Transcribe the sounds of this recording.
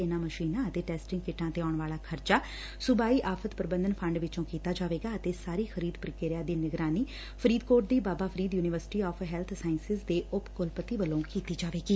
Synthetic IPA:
ɪnãːməʃiːnãːət̪eːʈɛːsʈɪŋɡkɪʈːãːt̪eːɔːɳʋaːlaːkʰəɾt͡ʃaː | sʊbaːiːʔaːfʰət̪pəɾəbənd̪ənpʰə̃ɳɖʋɪt͡ʃõːkiːt̪aːd͡ʒaːʋeːɡaːət̪eːsaːɾiːxʰəɾiːd̪pɾɪkeːɾɪjaːd̪iːnɪɡɾaːniː | pʰəɾiːd̪koːɾʈ̚d̪iːbaːbaːpʰəɾiːd̪juːnɪʋəɾsɪ̥ʈiːɔːpʰɦɛːlt̪ʰsaːɪnsɪsd̪eːʔʊpkʊlpət̪iːʋəlõːkiːt̪iːd͡ʒaːʋeːɡiː

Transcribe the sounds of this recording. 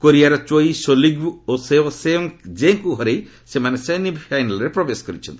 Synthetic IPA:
koɾiaɾɔt͡ʃojsoliɡuosebɔseɔŋd͡ʒeŋkuɦɔɾej | semanesenibpʰajnalɔɾepɾɔbesɔ̥kɔɾit͡ʃʰɔ̰nt̪i

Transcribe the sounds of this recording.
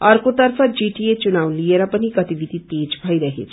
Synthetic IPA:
ɐɾkot̪əɾfʰad͡ʒiʈiet͡ʃunaʋlieɾapəniɡət̪iʋid̪ʱit̪ed͡ʒbʱaiɾəɦḛt͡ʃʰ

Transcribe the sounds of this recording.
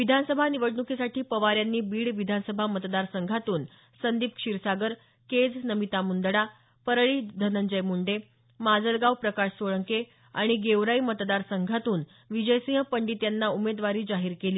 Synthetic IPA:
ʋid̪ʱansəbʱaniʋəɽɳukʰisaʈʰiːpəʋaɾjanːiːbiːɽʋid̪ʱansəbʱamət̪d̪aɾsəŋɡʱat̪uːn | sənd̪iːp̚kʂiɾsaɡəɾ | ked͡znəmit̪amuɳd̪ɽa | pəɾɭiːd̪ʱənəɲd͡ʑəjmuɳɖe | mad͡zəlɡawpɾəkaɕsoɭəŋke | a̰ɽ̃iɡeʋɾaimət̪d̪aɾsəŋɡʱat̪uːn | ʋid͡ʑəjsĩɦpəɳɖit̪janːaumed̪ʋaɾiːd͡zaɦiːɾkeliː

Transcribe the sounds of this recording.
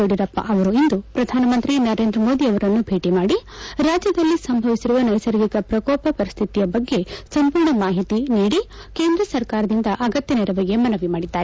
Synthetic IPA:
oɽiɾɐpːɐ̰ʔɐʋɐɾuind̪upɾɐd̪ʱaːnɐmɐnt̪ɾinɐɾe̞ːnd̪ɾɐmo̞ːd̪iɐʋɐɾɐnːubʱe̞ːʈimaːɽiɾaːd͡ʒjɐd̪ɐlːisɐmbʱɐʋisiɾuʋɐnɐjsɐɾɡikɐpɾɐkɔːpɐpɐɾist̪ʰit̪ijɐbɐɡːe̞sɐmpuːɾɳɐmaːɦit̪iniːɽi | keːnd̪ɾɐsɐɾkaːɾɐd̪ind̪ɐʔɐɡɐt̪jɐnɛɾɐʋɐɡe̞mɐnɐʋimaːɽid̪ːaːɾe

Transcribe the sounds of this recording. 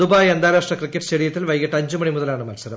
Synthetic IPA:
d̪ubaːjɐnd̪ʱaːɾaːʂʈrɐkrikʲːɐʈːst͡ɕeɽijɐt̪ːilʋɐjɣiʈːɐɲd͡ʑumɐɳimuðɐlaːɳɨmɐlsɐɾɐ

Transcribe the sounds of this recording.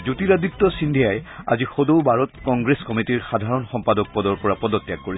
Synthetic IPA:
zutiɹaditːɔsindʱijaja̰zixodowbʱaɹɔtkɔŋɡɹeskɔmitiɹxad̪ʱaɹɔnxɔmpadɔk̚pɔdɔɹpɔɹapɔdɔtːjak̚ːoɹi

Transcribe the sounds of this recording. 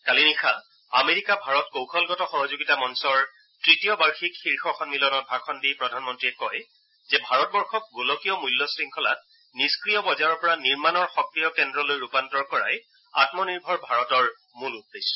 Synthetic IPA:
kalinixa | ameɹikabʱaɹɔtkowkʰɔlɡɔtɔxɔɦɔzuɡitamɔnsɔɹ | tɹitijɔbaɹxikxiɹxɔxɔnːilɔnɔt̚bʱakʰɔndipɹɔdʱanmɔntɹiɛkɔj | zɛbʱaɹɔt̚bɔɹxɔk̚ɡulɔkijɔmujlːɔsɹiŋkʰɔla̰t̚ | niskɹijɔbɔzaɹɔɹpɔɹaniɹmanɔɹxɔkɹijɔkɛndɹɔlojɹupantɔɹkɔɹa̰j | a̰tmɔniɹbʱɔɹbʱaɹɔtɔɹ | mulud̚d̪es

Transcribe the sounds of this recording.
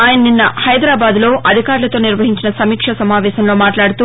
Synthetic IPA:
aːjɐnɐninːɐhɐjd̪ɾaːbaːd̪lo̞ːʔɐd̪ʱikaːɾlɐt̪oːniɾʋɐɦiɲt͡ʃinɐsɐmiːkʂɐsɐmaːʋɛːsɐmlo̞ːmaːʈlaːɽut̪uː

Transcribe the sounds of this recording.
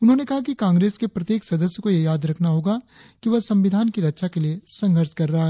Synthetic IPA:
ʊnɦõːnekɐɦakikãːŋɡɾeːskepɾɐt̪jeːksɐd̪əsjəkojejaːd̪ɾɐkʰnaɦoːɡa | kiʋɐsɐ̃mʋɪd̪ʱaːnkiɾɐtːʃʰakeliesɐ̃ŋɡʱəɾʃkɐɾːɐɦaɦɛː

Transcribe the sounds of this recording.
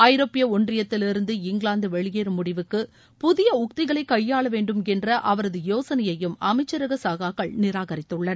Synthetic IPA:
ɐjɪɾoːpːɪjɐɔɳdrɪjɐt̪ːɪlɪɾɯnd̪ɯɪŋɡɭaːnd̪ɯʋɛɭɪjeːɾmʊɽɪʋɯkːɯ | pʊðɪjɐʊk̚t̪ɪɣɐɭɐɪkːɐjːaːɭɐʋeːɳɖɯmɛndrɐʔɐʋɐɾɐðɯjoːsɐnɐjɐjɯmɐmɐɪt͡ʃːɐɾɐɣɐsaːɣaːɣɐɭnɪɾaːɣɐɾɪt̪ːɯɭːɐn

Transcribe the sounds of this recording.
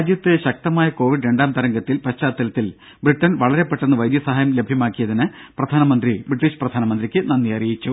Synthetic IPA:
d̪jɐt̪ːɨɕɐk̚t̪ɐmaːjɐko̞ːʋiɖɾe̞ɳɖaːmt̪ɐɾɐŋɡɐt̪ːilpɐt͡ɕaːt̪ːɐlɐt̪ːil | briʈːɐnʋɐɭɐɾe̞pːe̞ʈːenːɨʋɐjd̪jɐsɐɦaːjɐmle̞bʱjɐmaːkːijɐðinɨprɐd̪ʱaːnɐmɐnd̪ribriʈːiːɕprɐd̪ʱaːnɐmɐnd̪rikʲːɨnɐnːijɐrijit͡ɕːu

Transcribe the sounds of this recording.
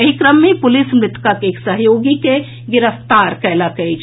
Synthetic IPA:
ɦikɾəmːẽpʊlɪsmɾɪt̪kakeksəɦjoːɡike | ɡɪɾəft̪aːɾkɛːlakəit͡ʃʰ

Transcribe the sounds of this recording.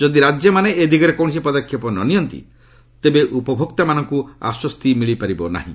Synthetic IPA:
d͡ʒod̪iɾad͡ʒjɔmaneed̪ʱikɔɾekɔw̃s̬ipɔd̪ɔkʰːjɔpɔnɔ̰nijɔnt̪ḭ | t̪ebeʔupɔbʱokt̪amanɔŋkua̰swɔst̪imiɭipaɾibɔna̰ɦḭ̃

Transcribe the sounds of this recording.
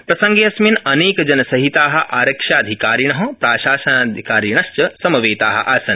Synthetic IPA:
pɾɐsɐ̃ŋɡjɐsminɐneːkd͡ʒɐnɐsɐɦit̪aːɦɐ̆ʔaːɾɐkʃaːd̪ʱikaːɾiɳ̃ɐɦɐpɾaːʃaːʃɐnaːd̪ʱikaːɾiɳ̃ɐst͡ʃɐsɐmɐʋeːt̪a̰ːɦɐ̰̆ʔaːsɐn

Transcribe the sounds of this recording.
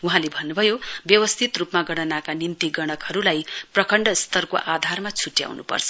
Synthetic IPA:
uɦãlebʱʌnːubʱʌjobjʌwʌst̪ʰit̪rupmaɡʌɽ̃ʌnakanint̪iɡʌɽ̃ʌkhʌɾulajprʌkʌɳɖʌst̪ʌrko̰ʔad̪ʱarmat͡sʰuʈja̰wnṵpʌ̰rt͡sʰʌ

